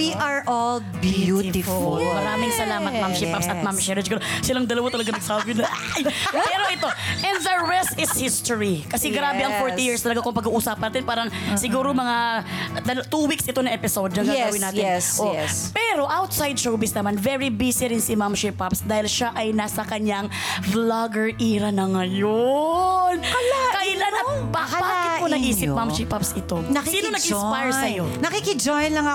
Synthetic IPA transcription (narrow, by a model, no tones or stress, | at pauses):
wiʔaɹʔɔl | bjuffmɐɾaːmɪŋsɐlaːmɐt̪̚mamʃɪpapsɐt̪̚mamʃɛɾɪd͡ʒɡɐnosɪlɐŋd̪ɐlɐwat̪ɐlɐɡɐnɐɡ̚saːbɪnɐjpɛɾoʔɪt̪o̞ʔɛ̃nd̪ðɐɹɛst̪ɪshɪst̪oɹikɐsɛɡɾaːɛʔɐŋfoɹt̪ijiɹst̪ɐlɐɡakʊŋpɐɡuːʔusaːpɐnaːt̪ɪnpaːɾɐŋsɪɡuːɾomɐŋad̪ɐlt̪uːwiksɪt̪o̞nɐʔɛpɪsowd̪nɐŋɡ̪aɡɐwinaːɪsʔopɛɾo̞ʔawt̪sajd̪̚ʃowbɪsnɐmanvɛɹibiːsɪɾɪnsɪmamʃipapsd̪aːhɪlʃaʔɐjnaːsɐkɐɲaŋ | flaɡɛɹʔiːɾɐnɐŋɐjonkɐlakɐʔɪlanɐt̪̚babakɪkonɐʔiːsɪp̚mamʃipapsɪt̪o̞ɐsiːnonɐɡɡɪspajɹsɐjonɐkikɪd͡ʒojnlɐŋa